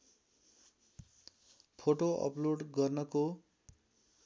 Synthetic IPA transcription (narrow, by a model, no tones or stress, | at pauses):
pʰoʈoʌ̰ploɖɡʌrnʌko